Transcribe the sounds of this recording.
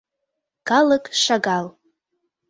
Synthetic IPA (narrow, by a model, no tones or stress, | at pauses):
kaləkʼʂaɡal